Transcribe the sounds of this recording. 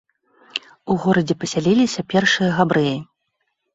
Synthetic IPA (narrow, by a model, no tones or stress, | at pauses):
uɣɔɾɐd͡zʲɛpɐsʲalʲilʲisʲɐpʲɛrʂɨjɐɣabɾɨji